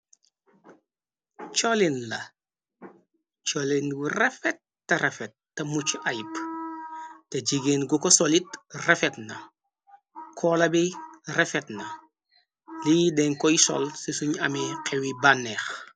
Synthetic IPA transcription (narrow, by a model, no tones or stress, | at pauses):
t͡ʃolinlɐ | t͡ʃolinɡurɛfɛt̚ːɐɾefɛt̚ː | ɐmut͡ʃʔajp | teɟiɡeːnɡukosolitrefɛtnɐ | kʰɔːlɐbirefetnɐ | lidɛŋkɔjisɔ̰lsisuɲɐmiqʰewibanːɛːx